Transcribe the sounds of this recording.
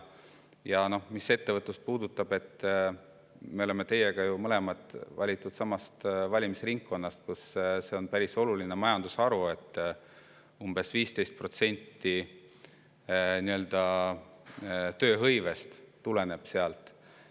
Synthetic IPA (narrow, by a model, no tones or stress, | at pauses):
jɑno̞hmise̞t̪ːe̞vɤt̪ˑlus̚puːd̪ut̪ːˑɑb̥e̞t̪ː | me̞o̞le̞me̞t̪e̞je̞ɡɑjumɤle̞mɑt̪ːˑvɑlʲit̪ːˑud̪̥sɑmɑst̪vɑlʲimisriŋkːo̞nːɑst̪kusse̞o̞npæɾiso̞lulinemɑjɑnd̪usɑɾue̞t̪ːˑ | umb̥e̞sviːst̪e̞jst̪̚pro̞t̪se̞nʲt̪ːi | niø̞ld̪ɑ | t̪ø̞ːɦɤjve̞st̪t̪ːule̞ne̞b̥se̞ɑlt̪ˑ